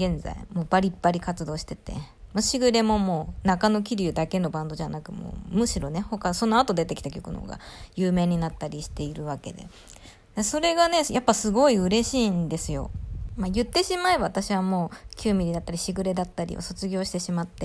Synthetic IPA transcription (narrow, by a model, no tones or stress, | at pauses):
ɡẽ̞nd͡za̰ḭmoːbaɾʲipːaɾʲikat͡sɨd̪o̞ːɕi̥t̪e̞t̪e̞̰moɕiɡɯ̟ɾe̞mo̞mo̞ːnakano̞kʲiɾʲɯ̟d̪ake̞no̞bãnd̪oʑanakɯ̟mo̰ːmɯ̟ɕiɾo̞ne̞ho̞kaso̞no̞at̪o̞d̪e̞t̪e̞kʲi̥t̪akʲo̞kɯ̟no̰ɡa̰jɯːme̞ːɲ̟inat̪ːaɾʲiɕi̥t̪e̞iɾɯ̟βake̞̰d̪ḛ | d̪eso̞ɾe̞ɡane̞japːasɨɡo̞iɯ̟ɾe̞ɕiːnd̪e̞sɨjo̞̰majɯ̟t̪ːe̞ɕimaebaβat̪aɕiβamo̞ːkʲɨːmʲiɾid̪at̪ːaɾʲiɕiɡɯ̟ɾe̞d̪at̪ːaɾʲḭo̰so̞t͡sɨɡʲo̞ːɕi̥t̪eɕimat̪ːe̞